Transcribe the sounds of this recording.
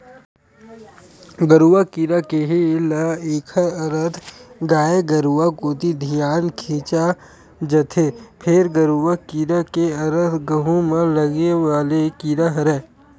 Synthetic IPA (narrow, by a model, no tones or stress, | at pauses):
ɡəɾuːakiɾakeɦilaeːkʰəɐɾət̪ʰɡaːeɡɐɾuakoːt̪id̪ʱijaːnkʰiːt͡ʃa | d͡ʒɐt̪ʰepʰɪɾɡəɾuʋakiɾakeɐɾət̪ɡɐɦõmẽlɐɡeʋaːlekiɾaɦɾɛː